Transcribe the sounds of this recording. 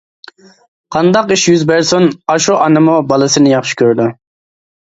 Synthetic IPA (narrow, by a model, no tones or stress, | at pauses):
qʰɑnd̪ɑqiʃjyzbæɾsʊnɑʃuʔɑnɨmubɑlˠɨsɨnɪjɑχʃi̥kʲʰøɾd̪ʊ